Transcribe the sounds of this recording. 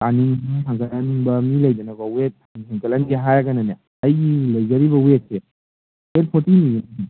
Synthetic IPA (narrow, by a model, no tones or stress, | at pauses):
taniŋɦiŋtʰaŋkɐlaniŋbɐmilɐjdɐnɐbɐwet̚aniŋsʰaŋkɐlɐnɡiɦajaɡanɐne | ɐjɡilɐjzɐɾibɐwet̚se | wet̚pʰoɾtiniɡi